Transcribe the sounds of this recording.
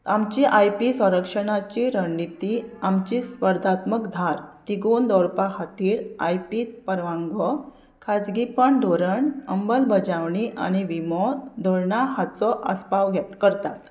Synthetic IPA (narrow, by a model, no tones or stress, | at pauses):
amt͡ɕiʔajpisʋə̃ɾəkʂəɳ̃at͡ɕiɾəɳːit̪iamt͡ɕispəɾd̪ʱat̪məkd̪ʱaɾt̪iɡond̪ɔɾpahat̪iːɾa̰jpiːt̪̚pəɾʋãŋɡɔ | kʰad͡zɡipəɳɖ̪ʱoɾəɳəmbəlbʱəd͡ʑaʋɳiʔa̰ñiʋimɔd̪d̪ʱɔɾɳaɦat͡sɔʔə̰spaʋɡʱjɛt̪kəɾt̪at̪